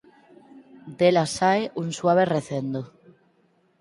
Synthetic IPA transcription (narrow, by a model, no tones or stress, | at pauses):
d̪elasaeʔunswaβ̞ereθend̪o